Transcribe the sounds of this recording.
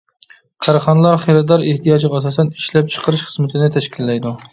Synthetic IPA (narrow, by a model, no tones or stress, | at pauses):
qʰæɾɑχɑnɨlˠɑɾχeɾɨd̪ɑɾeht̪ijɑd͡ʒʁːsɑsɛni̥ʃlɛp̚t͡ʃʰə̥qʰəɾɨʃχə̥zmɪt̪ʰɪnɪt̪ʰɛʃkʲʰilːɛjd̪u